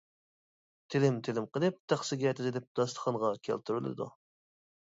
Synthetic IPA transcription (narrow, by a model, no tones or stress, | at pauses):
t̪ʰɪlɪmt̪ʰɪlɪmqəlˠɨp̚t̪ʰæχsɪɡʲɛt̪ʰɪzɪlɪp̚d̪ɑst̪ə̥χɑnʁɑkʲʰæ̰lt̪ʰyɾylˠɨ̰d̪ṵ